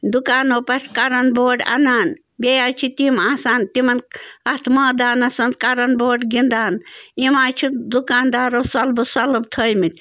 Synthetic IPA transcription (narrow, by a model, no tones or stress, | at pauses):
d̪ukaːnoːpɐʈkɐɾɐnboːɖa̰naːn | bʲejaːt͡ʃʰit̪imaːsaːnt̪imɐnɐt̪ʰmɐːd̪aːnɐsɐnt̪kaɾɐnboːɖɡind̪aːnimaːjt͡ʃʰid̪ukaːnd̪aːɾoːsɐlbɨsɐlɐbt̪ʰəjmit̪ʲ